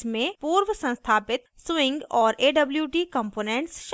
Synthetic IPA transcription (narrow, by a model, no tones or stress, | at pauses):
mẽpuːɾʋəsɐ̃nst̪ʰaːpɪt̪swɪ̃ŋɡɔːɾʔeːɖɐbljuʈiːkə̃mpoːnẽɳʈsʃ